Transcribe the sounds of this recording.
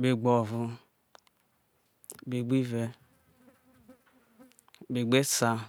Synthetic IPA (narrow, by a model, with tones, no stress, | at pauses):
be˨ɡ͡bɔ˨vu˦ | be˨ɡ͡bi˦ve˦ | be˨ɡ͡be˦sa˦